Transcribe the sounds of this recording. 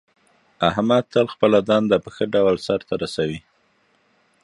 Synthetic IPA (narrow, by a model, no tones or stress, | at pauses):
ahmad̪̚t̪əlxpəlad̪ɑnd̪apəxəɖawlsaɾt̪aɾasawi